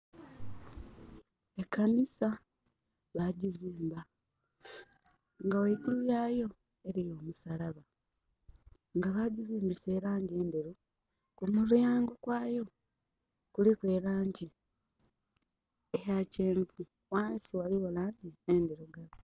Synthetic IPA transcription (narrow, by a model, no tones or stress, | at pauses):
ekːanisa | βaɟiziːmba | ŋɡaweikulujajo̞ | e̞ɾijo̞ːmusalaβa | ŋɡaβaɟiziːmbise̞ːɾaːɲɟe̞ːnde̞ɾo | kumulujaːŋɡokwaːjo̞ | kulikwe̞ːlaːɲɟi | ejaceːmpu | waːnsiwaliwolaːɲɟiende̞ɾoɡalo